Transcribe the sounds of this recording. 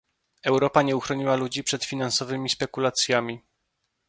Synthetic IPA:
ɛwɾɔpaɲɛuxɾɔɲiwalud͡ʑipʂɛt̪fʲinansɔvɘmʲispɛkulat̪sʲjamʲi

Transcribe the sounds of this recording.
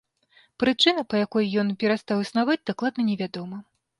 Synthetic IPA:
pɾɨt͡ʂɨnɐpɐjakɔjjɔnpʲɛɾast̪awɨsnavad͡zʲd̪aklˠad̪nɐnʲɛvʲad̪ɔmɐ

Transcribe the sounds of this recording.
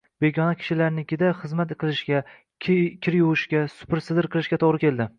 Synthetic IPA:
b̥e̞ɡʲɒnakʲʰɪ̥ʃɪlaɾnɪkʲɪd̪aχɨzmat̪ɨqʰɨlˠɪʃɡʲa | kʲʰɪɾjʊwɪʃkʲasʊ̥pɪɾsɪd̪ɪɾqʰɨlˠɪʃɡʲat̪ʰoʁɾɪkʲʰe̞lˠd̪ɪ

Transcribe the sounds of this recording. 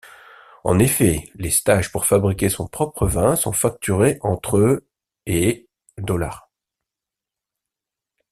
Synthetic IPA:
ɑ̰̃nefɛlest̪aʒpuʁfabʁikʲesɔ̰̃pχɔpχəvɛ̃sɔ̰̃fak̚t̪yʁeʔɑ̃t̪χø | e | d̪ɔla̰ːʁ

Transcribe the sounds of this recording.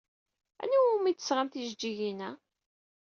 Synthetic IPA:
æ̰niwumit̪ːə̥sʁant̪iʒd͡ʒːiʝinæ

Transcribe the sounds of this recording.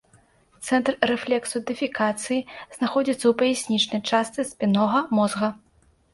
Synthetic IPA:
t̪sɛnt̪rːɛflʲɛksud̪ɨfʲikat̪sɨjiznaxɔd͡zʲit̪sːɐwpɐjɛsʲnʲit͡ʂnɐjt͡ʂast̪sɨsʲpʲinɔɣɐmɔzɣɐ

